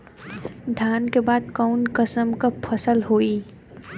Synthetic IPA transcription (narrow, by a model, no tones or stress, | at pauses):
d̪ʱjaːnkebaːd̪̚kaʊnkəsəmkapʰəsəlɦoːi